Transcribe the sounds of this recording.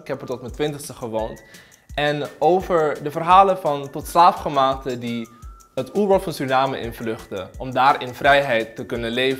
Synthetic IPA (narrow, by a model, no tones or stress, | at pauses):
ɪkɦɛpəɹtɔtmɛntʋɪntəχstəχəʋownt | ʔɛnowvəɹdəvərɦaːlənvɑntɔtslaːfχəmaːk̚tədi | ɦətuːɹbɔlˠfɑnsynaːmə̰ʔɪ̰nvlɵχtəʔɔmdaːɹɪnvrɛjɦɛjtːəkɵnənlejv